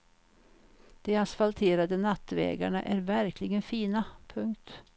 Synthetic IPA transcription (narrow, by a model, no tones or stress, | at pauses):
d̪̥ɛasfalt̪ʰeːɾad̪ənat̪ːvɛ̰ːɡa̰ɳa̰ʔæɾvæɾklɪɡənfiːnapʰɵŋkt̪